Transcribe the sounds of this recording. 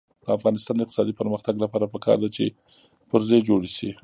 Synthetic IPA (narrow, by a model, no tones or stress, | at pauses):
d̪̥əafɣɑnɪst̪ɑnd̪əɪq̚t̪sɑd̪ipəɾməxt̪aɡlapɑɾapəkɑ̰ɾd̪at͡ʃḛ | pʊɾzejd͡ʒoɽiʃi